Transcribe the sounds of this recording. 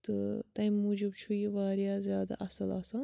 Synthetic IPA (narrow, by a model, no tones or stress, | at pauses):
t̪ɨt̪ɐjmːuːd͡ʒubt͡ʃʰujiʋaːɾjaːzʲjaːd̪a̰ːʔɐsɐlaːsan